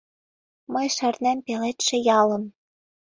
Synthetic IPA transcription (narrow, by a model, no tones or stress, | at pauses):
mɤjʃɘ̆rnæmpelet̪ʃĕjɑlɤ̆m